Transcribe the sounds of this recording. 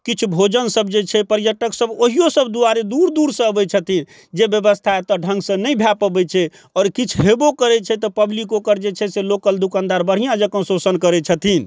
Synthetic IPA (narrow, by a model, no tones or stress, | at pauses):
kit͡ʃʰubʱod͡ʒənsəbd͡ʒet͡ʃʰɛpəɾjəʈəksəboɦijosəbd̪uaɾed̪uɾd̪uɾsə̃əbɛt͡ʃʰət̪ʰin | d͡ʒebjəbəst̪ʰat̪ɔɖʱə̃ŋɡsə̃nəjbʱjapəbɛt͡ʃʰɛ | ɔːɾkit͡ʃʰɦebokəɾɛt͡ʃʰɛt̪ɔpəblikokəɾd͡ʒet͡ʃʰɛselokəld̪ukãnd̪aɾbəɽ̤ijãd͡ʒəkə̃nsosənkəɾɛt͡ʃʰət̪ʰin